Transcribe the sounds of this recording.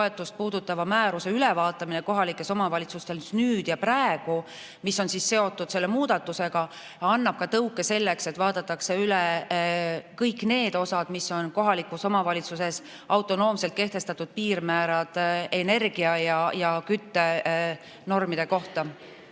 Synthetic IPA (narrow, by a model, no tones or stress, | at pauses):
toe̞t̪ːˑust̪̚puːd̪̥ut̪ːˑɑvɑmæːɾuse̞yle̞vɑːt̪ˑːɑmineko̞ɦɑlikːˑe̞so̞mɑvɑlʲit̪sust̪e̞lsnyːd̪̥jɑpræeɡ̥u | misːo̞nsisse̞o̞t̪ːˑud̪̥se̞lːemuːd̪̥ɑt̪ːuse̞ɡ̥ɑ | ɑnːɑb̥̚kɑt̪ɤwkːˑe̞se̞lːekse̞t̪vɑːd̪̥ɑt̪ːˑɑkse̞yle | kɤjkːˑne̞ːd̪o̞sɑd̪̥misːo̞nko̞ɦɑlikuso̞mɑvɑlit̪suse̞s | ɑwt̪ːˑo̞no̞ːmse̞lt̪̚ke̞ht̪e̞st̪ɑt̪ːud̪̥̚piːɾmæːɾɑd̪̥e̞ne̞rɡiɑjɑjɑkyt̪ːe̞ | no̞rmid̪̥e̞ko̞ht̪ɑ